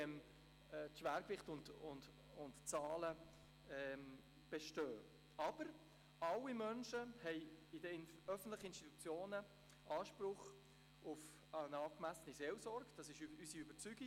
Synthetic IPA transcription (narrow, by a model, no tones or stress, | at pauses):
ɛmː | tʃʋæːɾkvɪχtʊndʊnd | ʊntt͡sɑːlə | ɛ | b̥ɛʃtøː | ɑb̥əɾ | ɑlːimœnʃəhɛɪɪdəœfən̩t̪lɪχəɪnsti̥t̪u̥t͡sjoːnə | ʔɑːʃpɾʊχ | ʊf | ənɑːkmæsəniseːlsɔɾɡd̥ɑsɪʃyysiøbəɾt͡syɡi